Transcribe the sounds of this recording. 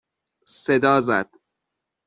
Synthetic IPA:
sed̪ɒːzæd̪̥

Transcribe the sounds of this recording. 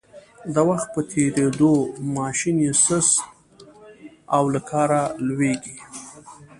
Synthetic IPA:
d̪əwaxt̪̚pət̪ʰeɾed̪omɑʃinjesəs | awlakʰɑɾalweɡi

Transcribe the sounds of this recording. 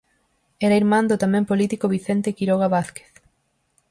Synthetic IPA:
ɛɾaiɾmãnd̪ot̪amɛ̃mpolit̪ikoβ̞iθent̪ekiɾoɣaβaθke̥θ

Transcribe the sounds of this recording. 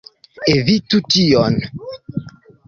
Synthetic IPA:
evitution

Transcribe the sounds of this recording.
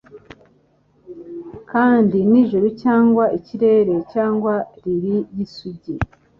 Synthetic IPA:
kaːndiniʒuɾucaːŋɡwaʔiciɾe̞ːɾe̞caːŋɡwaɾiɾijisuɟi

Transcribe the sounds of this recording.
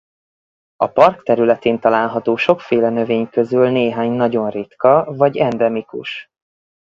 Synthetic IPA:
ɒ̰pɒrkt̪ɛɾylɛt̪eːnt̪ɒlaːlɦɒt̪oːʃo̞kfeːlɛnø̞veːɲkøzylneːɦaːɲnɒɟo̞nrit̪kɒvɒɟɛnd̪ɛmikṵʃ

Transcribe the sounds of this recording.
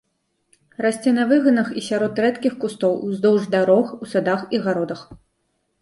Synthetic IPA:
rasʲt͡sʲɛnɐvɨɣɐnɐxisʲaɾɔt̪ɾɛt̪kʲixkust̪ɔwuzd̪ɔwʐd̪aɾɔxusad̪axiɣaɾɔd̪ɐx

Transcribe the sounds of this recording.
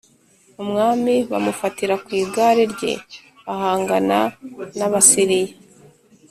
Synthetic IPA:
umŋaːmiβa̰mufatiɾakwiːɡaːɾeɾɟe̞̰ | βahaːŋɡananaβasiɾije

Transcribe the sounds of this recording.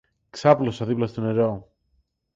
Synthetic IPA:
ksɐplosɐðiplɐst̪one̞ɾo̞

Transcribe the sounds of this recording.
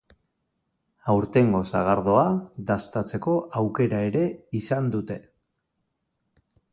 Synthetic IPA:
awɾt̪e̞ŋɡo̞saɣ̞aɾð̞o̞aðast̪at͡se̞ko̞ʔawke̞ɾae̞ɾe̞isand̪ut̪e̞

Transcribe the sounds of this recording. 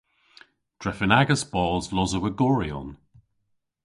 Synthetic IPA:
d̥ɹɛfənaɡəsb̥ɔːlˠzlɔzəwəɡɔɹiɔ̰n

